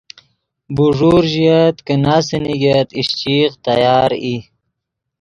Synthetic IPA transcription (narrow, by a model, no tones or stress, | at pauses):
buʐuɾʒijat̪kənasiniɡat̪iʃt͡ʃiqt̪ajɑːɾi